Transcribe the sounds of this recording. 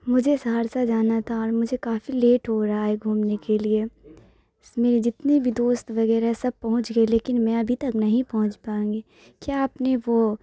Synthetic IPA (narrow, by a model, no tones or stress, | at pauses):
mʊd͡ʒʱesaːɾsad͡ʒaːnat̪ʰaɔːɾmʊd͡ʒʱekaːfileːʈɦoɾaɦaɦɛɡʱuːmnekelie | smeːɾid͡ʒɪt̪nebʱid̪oːst̪ʋɐɡɛːɾaɦɛsɐb̚pɐɦʊ̃t͡ʃɡəeleːkɪnmɛ̃ɐbʱit̪ɐknɐɦĩpɐɦʊ̃t͡ʃpaːũːŋɡi | kjaːpneʋo